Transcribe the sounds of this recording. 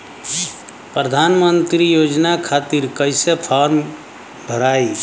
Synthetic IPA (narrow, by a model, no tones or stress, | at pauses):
pɾəd̪ʱanmənt̪ɾijod͡ʒnakʰat̪iɾkəɪsepʰaɾm | bʱəɾai